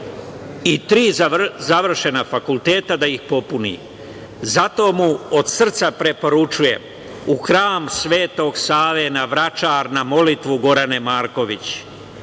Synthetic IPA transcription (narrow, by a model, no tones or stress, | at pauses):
it̪ɾiːzzaʋr̩ʃe̞nafakulˠt̪e̞ːt̪ad̪aixpo̞punḭ | zat̪o̞ːmuod̪sr̩t̪sapɾe̞po̞ɾut͡ʃuje̞̰m | uxɾaːmsʋe̞ːt̪o̞ɡsaːʋenaʋɾat͡ʃaɾnamo̞lit̪ʋuɡo̞ɾane̞maːɾko̞ʋit͡ɕ